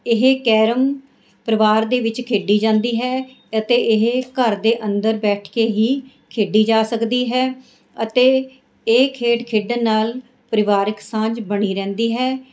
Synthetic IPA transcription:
ɪɦeːkɛːɾəm | pɾəʋaːɾd̪eːʋɪt͡ʃkʰeːɖiːd͡ʒãːnd̪iːɦɛː | ət̪eːʔɪɦkəɾd̪eːʔənd̪əɾbɛːʈʰkeːɦiː | kʰeːɖiːd͡ʒaːsəkd̪iːɦɛː | ət̪eː | eːkʰeːʈkʰeːɖənːaːl | pəɾɪʋaːɾɪksãːd͡ʒbəɳiːɾɛ̃ːnd̪iːɦɛː

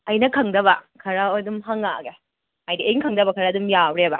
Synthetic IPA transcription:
ɐjnɐkʰɐŋdɐβɐkʰɐɾɐojdumɦɐŋa̰ɡe | ajdiejŋkʰɐŋdɐbɐkʰɐɾɐadumjawɾebɐ

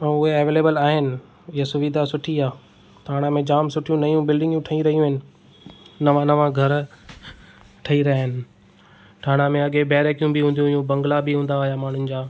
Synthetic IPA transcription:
ɛ̃ːʊɦeɐʋeːleːbəlaːɦɪnɪ̆ | ɪɦasʊʋid̪ʱasʊʈʰiaː | ʈʰaːɽ̃amẽd͡ʑaːmsʊʈʰijũnɐjũbɪlɖɪ̃ŋɡjũʈʰɐĩɾɐɦijũɦɪnɪ̆ | nɐʋãnɐʋãɡʱɐɾ | ʈʰɐiɾɐaːɦɪnɪ̆ | ʈʰaːɽ̃amẽɐɠebɛːɾekijũbɪɦũːnd̪jũɪjũbɐ̃ŋɡlabɪɦũːn̆d̪aːɦijamaːɳ̤ʊnɪ̆d͡ʑaː

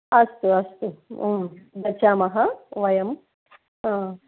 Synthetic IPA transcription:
ɐst̪uɐst̪u | d̪ɐt͡ʃaːmɐɦɐʋɐjɐm | ãː

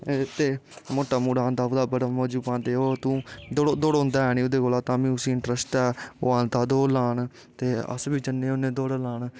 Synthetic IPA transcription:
t̪eːmoːʈːaːmuːɽaːnd̪aːod̪aːbəɽamoːd͡ʒuːpãːnd̪eːoːt̪ũːd̪oɽd̪oːɽɦʊ̃nd̪aːɦɛːnĩːʊd̪eːɡoːlaːt̪ãːmĩːʊsĩːɪɳʈɾəsʈɛːoːãːnt̪aːd̪oːlaːɳ | t̪eːə̰sbiːd͡ʒənːẽːonẽːd̪oːɽlaːɳ

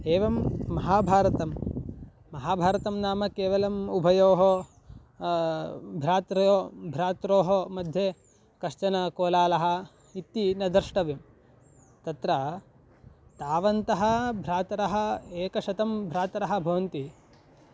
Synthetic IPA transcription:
eːʋɐmːɐɦaːbʱaːɾɐt̪ɐmː | ɐɦaːbʱaːɾɐt̪ɐmnaːmɐkeːʋɐlɐmubʱɐjoːɦo | bʱɾaːt̪ɾoːbʱɾaːt̪ɾoːɦɐmɐd̪ʱje | kɐʃt͡ʃɐnɐkoːlaːlɐɦɐ̆ | it̪ːinɐd̪ɐɾʂʈɐʋim | t̪ɐt̪ɾɐ | t̪aːʋɐnt̪ɐɦɐbʱɾaːt̪ɐɾɐɦɐeːkɐʃɐt̪ɐmbʱɾaːt̪ɐɾɐɦɐ̆bʱɐʋɐnt̪i

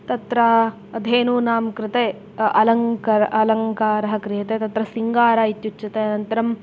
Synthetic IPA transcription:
t̪ɐt̪ɾɐ | ɐd̪ʱeːnuːnaːmkɾɪt̪eː | ʔɐlɐŋkɐɾɐɐlɐŋkaːɾɐɦɐ̆kɾijɐt̪eːt̪ɐt̪ɾɐsiŋɡaːɾaːit̪jut͡ʃːʃɐt̪eːɐnɐnt̪ɐɾɐm

